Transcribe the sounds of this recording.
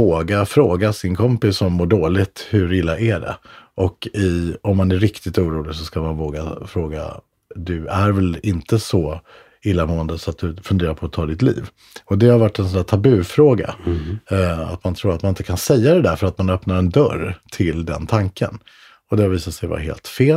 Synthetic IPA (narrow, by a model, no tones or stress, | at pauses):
voːɡafɾoːɡasɪnkʰɔmpɪsːɔmːoːɖoːlɪt̪hɵɾɪlːaʔæɖɛ̰ʔɔkɪɔmːanæɾɪkt̪ɪt̪uːɾuːlɪɡsɔskamanvoːɡa̰fɾoːɡa̰ | d̪ɵæɾvɛlɪnt̪əsɔ | ɪlːamoːənd̪əsɔat̪̚d̪ɵfɵnd̪eːɾaɾpʰɔːt̪ʰɑːd̪ɪt̪lḭːv | ɔd̪ɛhaɾvaʈːɛnsɔnd̪æːʈt̪ʰabʉ̟fɾoːɡa̰ | a̰t̪mant̪ʰɾuːɾat̪manɪnt̪əkʰansɛjːad̪ɛd̪æɾfœɾat̪manœpnaɾɛnd̪œ̰ɾt̪ʰɪld̪ɛ̰nt̪ʰaŋkə̰n | ɔd̪ɛhaɾviːsat̪sɛjva̰ɦḛːlt̪feːl